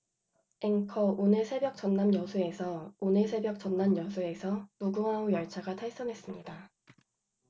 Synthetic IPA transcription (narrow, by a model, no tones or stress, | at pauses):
eŋkʰʌonɯɭsʰe̞bjʌk̚t͡ɕ͈ʌnːamjʌsʰue̞sʰʌonɯɭsʰe̞bjʌk̚t͡ɕʌnːamjʌsʰue̞sʰʌmuɡuɦaojʌɭt͡ɕʰaɡatʰaɭs͈ʌnɦe̞s͈ɯmɲida